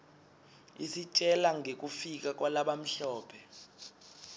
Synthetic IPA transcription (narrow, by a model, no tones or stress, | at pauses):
isit͡ʃʼɛlaŋek̬ʼufik̬ak̬walaɓam̩ɬɔːpʰɛ